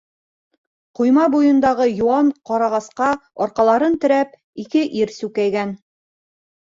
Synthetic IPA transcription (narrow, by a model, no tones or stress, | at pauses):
qŭjmɑbujɤ̆nd̪ɑʁɤjuɑɴqɒɾɑʁɑsqɑɒɾqɑlˠɑɾɤnt̪ɵ̆ɾæp̚ | ikɘʔiɾsʉkæjɡæn